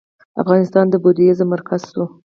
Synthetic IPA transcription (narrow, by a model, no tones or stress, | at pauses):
a̰fɣɑnɪst̪ɑnd̪əbod̪jezəmaɾkʰazsu